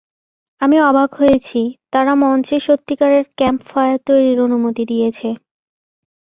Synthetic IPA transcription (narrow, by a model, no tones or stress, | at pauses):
amiɔbʱaɡɦojet͡ɕʰit̪aɾamɔnt͡ɕeʃot̪ːikaɾeɾkɛmpfɔeaɾt̪ojɾiɾonumot̪id̪ijet͡ɕʰe